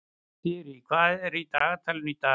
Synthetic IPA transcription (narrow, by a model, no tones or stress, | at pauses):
t̪iɾiːkʰaːɾiːt̪aːt̪ʰəlnit̪aː